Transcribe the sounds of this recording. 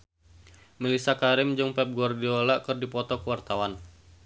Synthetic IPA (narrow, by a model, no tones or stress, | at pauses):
milisakaɾɪmd͡ʒɨŋpɛp̚ɡɔrdiɔlaʔkɨrdipɔt̪ɔkəwart̪awan